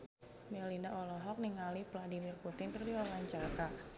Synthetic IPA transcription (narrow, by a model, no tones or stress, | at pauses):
mɛlinaʔɔlɔɦɔk̚niŋalipladimirput̪ɪŋkərdiwawaɲt͡ʃaka